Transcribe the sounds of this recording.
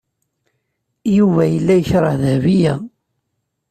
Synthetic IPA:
juvæjəlːæjəçɾˤɑðhvijæ

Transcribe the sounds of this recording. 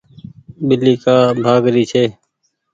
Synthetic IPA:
ɓɪliːkaːbʱaːɡɾiːt͡ʃʰeː

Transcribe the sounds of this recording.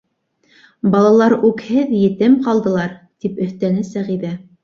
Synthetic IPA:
bɑlˠɑlˠɑɾʉkhɘðjɘ̆t̪ɘmqɑlˠd̪ɤ̆lˠɑɾt̪ipɵ̆θt̪ænɘsæʁiðæ

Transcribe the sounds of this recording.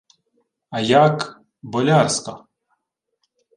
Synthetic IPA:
ɐjak | bɔlʲarskɐ

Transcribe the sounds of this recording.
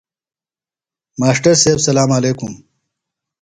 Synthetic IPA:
maːʂʈɐɾseːbsɐlaːmaleːkum

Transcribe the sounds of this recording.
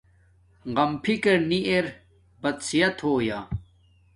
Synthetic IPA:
ʁɐmpʰikɐɾniʔeɾ | bɐt̪sijɐt̪ʰoːja̰

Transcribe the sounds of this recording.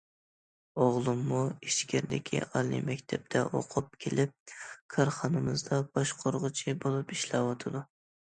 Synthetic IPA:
oʁlˠɨmːuiʃkʲʰɪɾd̪ɪkʲʰḭɑlˠḭmɛkʲt̪ʰɛp̚t̪ʰɛʔo̰qʰʊp̚kʲʰelʔɪp̚kʰɑɾχɑnɨmɨzd̪ɑb̥ɑʃqʰoɾʁʊt͡ʃʰibolˠupiʃlɑwɑt̪ʰɨd̪u

